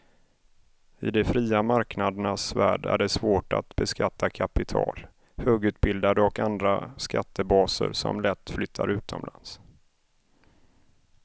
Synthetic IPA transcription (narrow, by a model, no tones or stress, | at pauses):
ɪ̰d̪ɛfɾiːamaɾknad̪əɳasvæːɖæ̰ɖɛsvoːʈa̰t̪bɛskat̪ʰːakʰapɪt̪ʰɑ̰ːl | høːɡʉ̟ːt̪̚bɪld̪ad̪əɔkand̪ɾaskat̪ːəbɑːsə̰ɾsɔ̰mlɛt̪ːflʏt̪ʰːaɾʉ̟ːt̪ʰɔ̰mlans